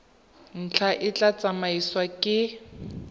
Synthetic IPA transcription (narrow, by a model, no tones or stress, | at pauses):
n̩t͡ɬʰaʔɪt͡ɬat͡sʼamaiswakʼɪ